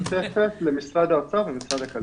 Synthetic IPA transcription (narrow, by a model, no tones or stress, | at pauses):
tefet̪lemisʁad̪at͡savemisʁad̪akal